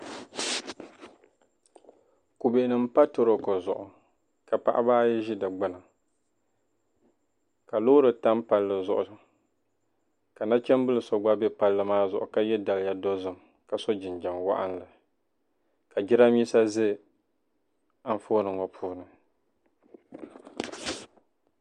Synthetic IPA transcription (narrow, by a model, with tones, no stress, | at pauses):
ku˨be˨nɨ˨m˦pa˦to˦ɾo˨ko˨zʊ˨ʔʊ˨ | ka˨pa̰˨ʔa̰˦baː˦jɛ˦ʒi˦dɨ˨ɡ͡bɨ˦na˨ | ka˨lo˦ɾɨ˨ta˦mpa˦lːɨ˨zʊ˨ʔʊ˨ | ka˨na˦t͡ʃɛ˦m˦bɨ˦lɨ˨sɔ˨ɡ͡ba˦bɛ˦pa˦lːɨ˦maː˦zʊ˨ʔʊ˨ka˦jɛ˦da˨lja˦do˦zɨ˦m | ka˨sɔ˦d͡ʒɪ˨nd͡ʒa˨ŋwa̰˦ʔa̰˦nlɨ˨ | ka˨d͡ʒi˦ɾa˦mi˦sa˦zɨ˦ | a˦ɱ˦˨fo˦nɨ˨ŋɔ˨pʰuː˦nɨ˨